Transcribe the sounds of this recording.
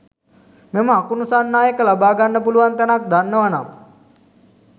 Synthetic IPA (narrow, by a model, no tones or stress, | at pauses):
meməakunusaːnːaːjəkəlabaːɡanːəpuluʋant̪ɛnak̚d̪anːəʋana